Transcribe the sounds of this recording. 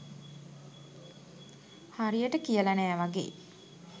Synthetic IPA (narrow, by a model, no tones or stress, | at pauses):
haɾijəʈəkijəlanæːʋaɡḛː